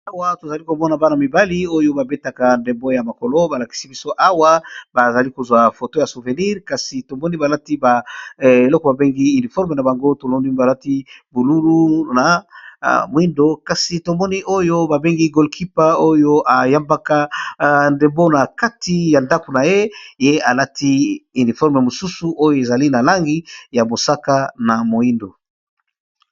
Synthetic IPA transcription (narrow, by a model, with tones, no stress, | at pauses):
a˦wa˦to˨za˨li˦ko˨mɔ˦na˨ba˦na˨mi˨ba˦li˦o˦jo˦ba˨be˦ta˨ka˨nde˨mbo˦ja˨ma˨ko˨lo˦ba˨la˨ki̥˦si˦bi˦so˦ʔa˦wa˦ba˨za˨li˦ko˨zwa˨fo˨to˦ja˨su˨ve˨ni˦ʁka˨si˨to˨mɔ˦ni˦ba˨la˦ti˦ba˨e˨lɔ˦ko˨ba˨be˦ŋɡi˦y˨ni˨fɔ˦ʁme˨na˨ba˨ŋɡo˦to˨lo˦ndi˦ba˨la˦ti˦bo˨lu˦lu˦na˨ | mo˨i˦ndo˦ka˨si˨to˨mɔ˦ni˦ʔo˦jo˦ba˨be˦ŋɡi˦ɡo˨lkʰi˦pa˦o˦jo˦ʔa˨ja˦mba˦ka˦nde˨mbo˦na˨ka˦ti˨˦ja˨nda˦ko˨na˨je˦je˦a˨la˦ti˦y˨ni˨fɔ˦ʁme˨mo˨su˦su˨ʔo˦jo˦e˨za˨li˦na˨la˦ŋɡi˦ja˨bo˨sa˦ka˦na˨mo˨i˦ndo˨